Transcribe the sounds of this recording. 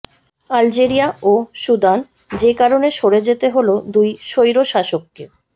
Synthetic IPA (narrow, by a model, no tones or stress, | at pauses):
ald͡ʑeɾiaoʃud̪an | d͡ʑekaɾoneʃoɽed͡ʑet̪eɦolod̪ujʃojɾoʃaʃokːe